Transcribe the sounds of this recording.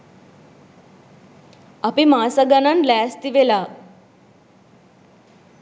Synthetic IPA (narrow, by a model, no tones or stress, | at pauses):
apimaːsəɡənanlɛːst̪iʋela